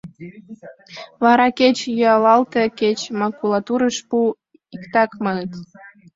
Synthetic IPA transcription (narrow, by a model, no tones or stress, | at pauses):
βɑɾɑket͡ɕjyɑlɑlt̪eket͡ɕmɑkulɑt̪uɾəʃpu | ikt̪ɑkmɑnət̪